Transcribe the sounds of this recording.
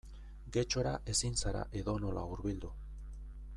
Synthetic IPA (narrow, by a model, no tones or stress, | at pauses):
ɡe̞t͡ʃo̞ɾaʔe̞sinsaɾa̰ʔe̞ðo̞no̞lauɾβild̪u